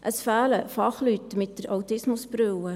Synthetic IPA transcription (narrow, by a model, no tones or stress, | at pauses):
ʔəsfæːləfɑχlytːmɪt̚d̥əɾawtɪsmʊsbɾøwə